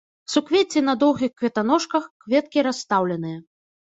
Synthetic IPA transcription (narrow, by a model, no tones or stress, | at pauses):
sukvʲet͡sʲinɐd̪ɔwɣʲixkvʲɛt̪anɔʂkɐxkvʲɛt̪̚kʲiɾasːt̪awlʲɛn̪ɨjɐ